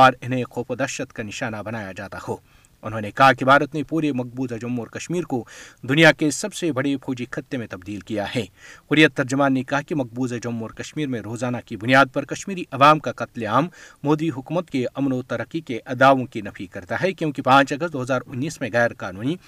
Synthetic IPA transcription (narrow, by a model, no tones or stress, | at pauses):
ɔːɾɪnɦẽqʰoːpəd̪ɐʃət̪kanɪʃaːnabɐnaːjad͡ʒaːt̪ahoː | ʊnɦõːnekɐɦak̬ibaːɾət̪nepuːɾemɐq̚buːzɐd͡ʒɐmːɔːɾkɐʃmiːɾkod̪ʊnijakesɐbsebɐɽepʰoːd͡ʒikʰɐt̪ːemẽt̪ɐb̚d̪iːlkijahɛ̃ːqʊɾijət̪ːɐɾd͡ʒʊmaːnːekɐɦakimɐq̚buːzɐd͡ʒɐmːɔːɾkɐʃmiːɾmẽɾoːzaːnakibʊnijaːd̪̚pɐɾkɐʃmiːɾiʔɐʋaːmkaqɐt̪leaːmːoːd̪iɦʊkuːmət̪keʔɐmnot̪ɐɾəqːikeʔɐd̪aːʋõkinɐfikɐɾt̪aɦɛkjõːkipãːt͡ʃɐɡəs̚d̪oːɦɐzaːɾʊnːiːsmẽɣɛːɾkaːnuːni